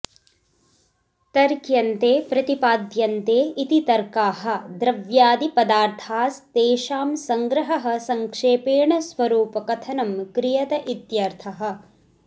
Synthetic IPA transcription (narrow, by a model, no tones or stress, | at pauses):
t̪ɐɾkjɐnt̪eːpɾɐt̪ipaːd̪jɐnt̪eːit̪it̪ɐɾkaːɦɐ̆d̪ɾɐʋjaːd̪ipɐd̪aːɾt̪ʰaːst̪eːʃaːmsɐŋɡɾɐɦɐɦɐ̆sɐŋkʂeːpeːɳɐsʋɐɾuːpɐkɐt̪ʰɐnɐmkɾijɐt̪ɐʔit̪jɐɾt̪ʰɐɦɐ̆